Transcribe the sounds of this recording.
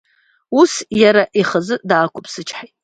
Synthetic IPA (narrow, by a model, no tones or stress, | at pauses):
usjaɾaʔiχəzɨdaːkʷʰʼʊpʰʼsɨt͡ʃʰħajtʼ